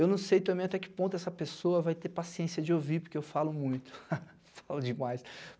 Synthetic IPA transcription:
ewnɐ̃w̃sejt̪ɐ̃mbẽj̃ɐt̪ɛkɪ̥põnt̪ʊɛsɐpesoɐvajt̪eɾpasiẽsiɐd͡ʒɪoviɾpʊɾkeewfalʊmũj̃t̪ʊ̥ | falʊd͡ʒɪmajs

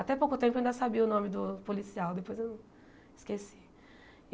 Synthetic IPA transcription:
at̪ɛpowkʊt̪ẽpʊeaĩd̪ɐsabiʊnõmɪd̪ʊpolisiawd̪epojzewnɐ̃ | iskesi̥

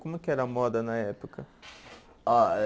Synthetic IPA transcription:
komukʲɪɛɾɐmɔd̪ɐnɐɛpokʰɐ | a

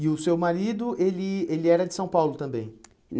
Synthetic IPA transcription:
ɪʊsewmaɾid̪ʊʔelɪelɪɛɾɐd͡ʒɪsɐ̃w̃pawlʊt̪ɐ̃mbẽj̃ | n

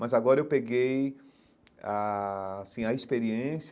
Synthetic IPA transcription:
mɐzaɡɔɾɐewpeɡej | aːsĩɐispeɾiẽs

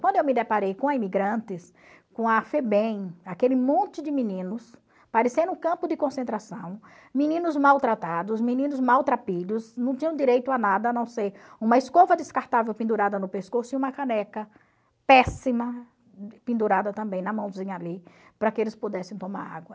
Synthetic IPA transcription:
kwɐ̃nd̪ʊewmɪd̪epaɾejkõɐimiɡɾɐ̃nt̪ɪs | kõɐfebẽj̃akelɪmõnt̪ɪd͡ʒ̪ɪmĩnĩnʊs | paɾesẽʊkɐ̃mpʊd̪ɪkõsẽnt̪ɾasɐ̃w̃ | mĩnĩnʊzmawt̪ɾat̪ad̪ʊsmĩnĩnʊzmawt̪ɾapiʎʊsnɐ̃w̃t̪ĩɲɐ̃d̪iɾejt̪ʊanad̪ɐnɐ̃w̃sejũmɐɪskovɐd̪ɪskaɾt̪avewpĩnd̪uɾad̪ɐnʊpeskosʊiũmɐkanɛkɐ | pɛsimɐ | pĩnd̪uɾad̪ɐt̪ɐ̃mbẽj̃nɐmɐ̃w̃zĩɲɐalipɾɐkɪelɪspod̪ɛsẽt̪õma̰ɾa̰ɡwɐ

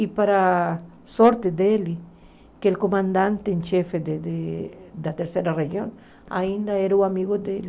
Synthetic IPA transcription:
ipaɾa | soɾt̪ed̪eli | keelkomãnd̪ãnt̪eːnt͡ʃefed̪ed̪ed̪at̪eɾseɾarexjon | a̰ĩnd̪aeɾuamiɣod̪eli

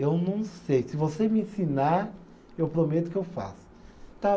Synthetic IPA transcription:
ewnɐ̃w̃sejsɪvosemɪẽsinaɾ | ewpɾomet̪ʊ̥kɪewfa̰sʊ̥t̪a

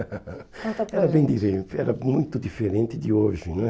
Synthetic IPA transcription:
ɐ̃t̪ɐɛɾɐbẽj̃d̪iɾẽt̪ɛɾɐmũj̃t̪ud̪ifeɾẽnt̪ɪd̪ɪoʒɪnɐ̃ɛ

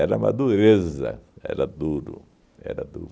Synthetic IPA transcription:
ɛɾama̰d̪uɾezɐ̰ɛ̰ɾat̪ud̪ʊ | ɛɾat̪u

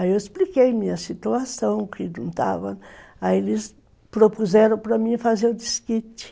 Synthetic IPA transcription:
aewɪsplikejmĩɲɐsit̪uasɐ̃w̃kɪdũnt̪a̰vɐ̃aelɪs | pɾopuzɛɾɐ̃w̃pɾɐmĩfazeɾʊd̪iskit͡ʃɪ̥

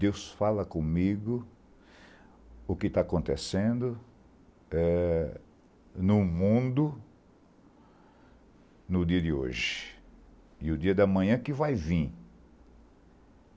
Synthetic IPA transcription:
d̪ewsfalɐkõmiɡʊ | ʊkɪt̪aːkõnt̪esẽnd̪ʊ | ɛ | nʊmũd̪ʊ | nʊd̪iɐd̪ɪo̰ʒɪ̥ | ɪʊd̪iɐd̪ɐmɐ̃ɲɐ̃kɪvajvĩ

